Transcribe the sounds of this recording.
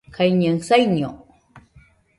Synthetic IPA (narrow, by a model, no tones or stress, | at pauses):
kʰajɲaŋsajɲo